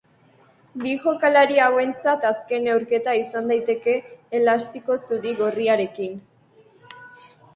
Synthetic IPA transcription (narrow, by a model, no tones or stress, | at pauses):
biʝo̞kalaɾiawe̞nt͡sat̪aske̞ne̞wɾke̞t̪aisand̪ajt̪e̞ke̞ːlast̪iko̞suɾiɣo̞riaɾe̞kin